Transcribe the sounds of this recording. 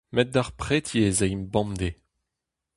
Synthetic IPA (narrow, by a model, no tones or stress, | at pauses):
mɛt̪̚d̪aʁpχet̪jezeimbɑ̃md̪e